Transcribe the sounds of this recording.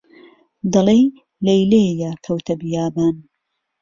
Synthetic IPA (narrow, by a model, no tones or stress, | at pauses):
d̪ɐlej | lɐjlejɐkʰɐwt̪ʰɐbjaːbaːn